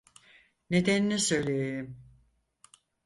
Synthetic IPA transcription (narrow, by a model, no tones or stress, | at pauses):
ned̪æninɛsø̞jlʲejejim